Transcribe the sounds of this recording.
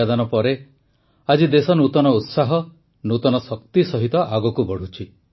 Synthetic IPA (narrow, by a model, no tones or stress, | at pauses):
ad̪anɔpɔɾe | ad͡ʒid̪esɔnut̪ɔnɔut̪saɦɔ | nut̪ɔnɔsɔkt̪isɔɦit̪ɔʔaɡɔkubɔɽ̤ut͡ʃʰi